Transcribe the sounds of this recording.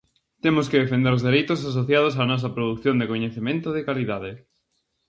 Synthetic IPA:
t̪emoskɪðefend̪eɾozðeɾejt̪os̬asoθjað̞osaːnɔs̬ɐpɾoðukθjond̪ekoɲeθemẽnt̪oðɪkaliðaðɪ

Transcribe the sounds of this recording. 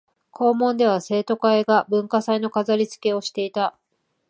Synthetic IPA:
kʰo̞ːmõ̞nd̪e̞β̞ase̞ːt̪o̞kae̞ɡabɯ̟̃ŋkasaino̞kazaɾʲit͡sɨ̥ke̞o̞ɕi̥t̪e̞it̪a

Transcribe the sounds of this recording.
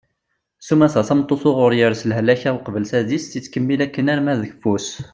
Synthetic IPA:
sumæsæθæmt̪ˤːosoʁʊɾjəɾsəlɦəlːæçælqbəlsæðist̪it͡sːkəmːilækːənæɾmæðəçfus

